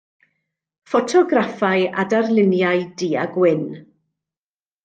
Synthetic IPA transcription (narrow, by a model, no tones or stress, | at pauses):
fɔtʰɔɡrafaja̰darlˠɪnjaɨdiːaɡwɪn